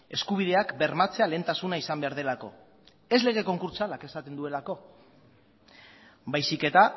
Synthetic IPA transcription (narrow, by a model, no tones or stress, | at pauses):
e̞skuβ̞iðe̞akbe̞ɾmat͡se̞aleːnt̪asunaisambe̞aɾð̞e̞lako̞ | e̞zle̞ɣe̞ko̞ŋkuɾt͡salake̞sat̪e̞nd̪ue̞lako̞ | bajsike̞t̪a